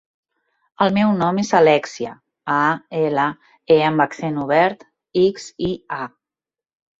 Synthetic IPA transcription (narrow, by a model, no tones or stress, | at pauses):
əlˠmɛwnɔmezəlɛksiə̰ | aelə | eəmbakθenuβɛɾt̪ | iksia